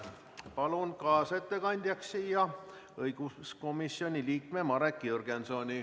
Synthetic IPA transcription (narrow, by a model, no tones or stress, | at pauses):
pɑlunkɑːset̪ːe̞kɑnʲd̪̥ʲjɑksiːjɑ | ɤjɡ̥usko̞misio̞nʲiliːkme̞mɑɾekːˑiurɡ̥enso̞nʲi